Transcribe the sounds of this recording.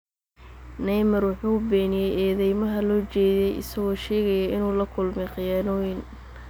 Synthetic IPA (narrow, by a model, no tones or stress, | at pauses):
nɛjmɐrwʊħuːbɛːnɪjɛjɛːðɛjmɐɦɐlɔːt͡ʃɛːðɛjɪ̰sɐɣɔːʃɛːɣɐjaʔɪnuːlɐkʰʊlmɛqɪjaːnɔjɪn